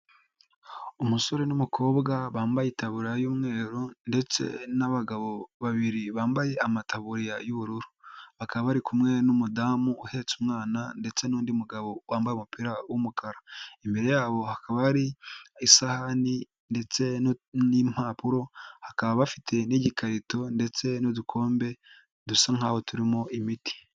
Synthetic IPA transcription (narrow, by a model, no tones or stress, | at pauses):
umuso̞ɾe̞numukʰo̞ːbɡaβaːmbajetaβuɾijajuːmŋe̞ːɾonde̞t͡se̞̰naβaɡaβo̞βaβiɾiβaːmbaje̞amataβuɾijajuβuɾuɾu̥βakaβaβaɾikʰumŋe̞numudamuːhe̞ːt͡sumŋaːnande̞t͡se̞nuːndiumuɡaβo̞waːmbajeumupiɾawumukʰaɾaimbe̞ɾe̞jaːβo̞hakʰaβaɾiisahani | nde̞t͡se̞nim̥aːpuɾo̞hakaβaβafitʰe̞niɟikaɾito̞nde̞t͡se̞nodukʰo̞ːmbe̞ | dusaŋ̥haho̞tuɾimo̞ʔimiti̥